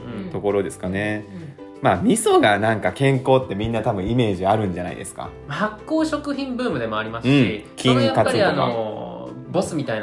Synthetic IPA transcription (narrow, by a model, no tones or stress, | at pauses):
t̪o̞ko̞ɾo̞d̪e̞sɨ̥kane̞ | maːmʲiso̞ɡanãŋkakẽ̞ŋko̞ːt̪ːe̞mʲĩnːat̪abɯ̟̃ɰ̃ime̞ːʑiaɾɯ̟̃ɲ̟d͡ʑana̰ḭd̪e̞sɨ̥ka̰mahakːo̞ːɕo̞kɯ̟çĩmbɯːmɯ̟d̪e̞mo̞aɾʲimasɨɯ̃ɕɴikʲʰĩŋjakapaɨtiaonna̰ | bo̞sɨmʲit̪ain